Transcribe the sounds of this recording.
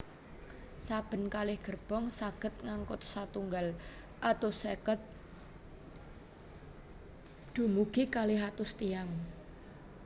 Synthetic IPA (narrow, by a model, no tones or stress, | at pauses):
sab̥ə̤nkalɪhɡ̥ərb̥ɔŋsaɡ̥ə̤t̪̚ŋaŋkʊt̪̚sat̪uŋɡal | ʔat̪ʊsɛkət̪̚ | d̪̥ṳmuɡ̥ikalɪɦat̪ʊst̪iaŋ